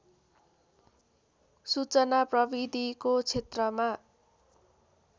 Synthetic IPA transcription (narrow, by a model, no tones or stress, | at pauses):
sut͡sʌnaprʌbid̪ʱikot͡sʰet̪rʌma